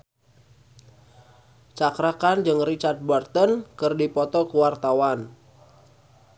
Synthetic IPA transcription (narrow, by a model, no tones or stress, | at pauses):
t͡ʃakɾakand͡ʒɨŋrit͡ʃard̪̚bɔrt̪ɔnkɨrdipɔt̪ɔkuwart̪awan